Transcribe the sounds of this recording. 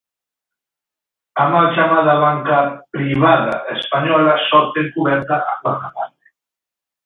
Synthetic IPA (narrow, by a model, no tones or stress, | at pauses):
amalt͡ʃamaðaβaŋkapɾiβaða̰ʔespaɲɔlasɔɾt̪eŋkuβɛɾt̪aʔakwat̪apaɾt̪e̥